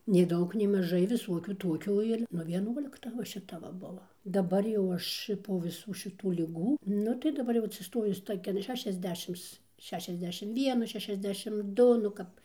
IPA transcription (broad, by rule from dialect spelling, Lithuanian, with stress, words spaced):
nʲɛɪ ˈdɐʊk nʲɛɪ mɐˈʒɐɪ ʋʲɪˈsuɔkʲuː ˈtuɔkʲuː ɪr nʊ ʋʲiɛˈnuɔlʲɪktɐ ʋɐ ʃʲɪˈtɐ ʋɐ ˈbʊʋoː dɐˈbɐr jɛʊ ˈɐʃ ɪr poː ʋʲɪˈsuː ʃʲɪˈtuː lʲɪˈɡuː ˈnʊ tɐɪ dɐˈbɐr jɛʊ ɐtʲsʲɪˈstoːjʊs ˈtoːkʲɛn ˌʃʲæːʃʲɛzʲˈdʲæːʃʲɪms ˈʃʲæːʃʲɛzʲˌdʲæːʃʲɪm ˈʋʲiɛnuː ʃʲɛʃʲɛzʲˈdʲæːʃʲɪm ˈdʊ nʊ ˈkɐp